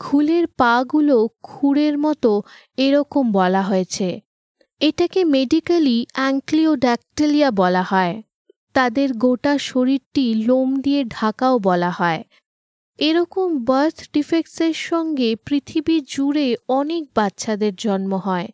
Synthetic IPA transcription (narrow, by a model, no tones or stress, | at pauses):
kʰuleɾpaɡulokʰuɽeɾmɔt̪o | eɾɔkombɔlaɦoet͡ɕʰe | eʈakemeɖikaliɛŋklioɖɛk̚ʈeliabɔlahɔe | t̪ad̪eɾɡoʈaʃoɾiɾʈilomd̪ieɖʱakaobɔlaɦɔe | eɾɔkombəɾt̪ʰɖifekseɾʃɔŋɡepɾit̪ʰibid͡ʑuɾeɔnek̚batːɕʰad̪eɾd͡ʑɔnmoɦɔe